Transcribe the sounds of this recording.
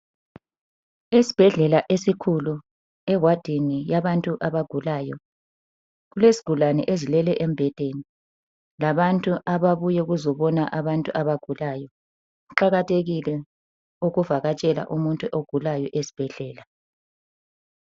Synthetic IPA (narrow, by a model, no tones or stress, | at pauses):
esi̥b̥ʱɛɮɛlaʔesikʰulu | ɛwad̥ʱinijaβantʼuʔaβaɡ̥ʱulaːjɔ | ɣulezi̥ɡ̥ʱulanɛ̰ʔezilɛlɛʔembʱɛd̥ʱeni | laβantʼuʔaβaβujɛuɣuzɔβɔnaʔaβantʼuʔaβaɡ̥ʱulajɔ | uǃaɣatʰeɣilɛ | uɣuvaɣat͡ʃʼɛla̰ʔumuntʼuʔoɡ̥ʱulajɔʔesi̥b̥ʱɛɮɛːla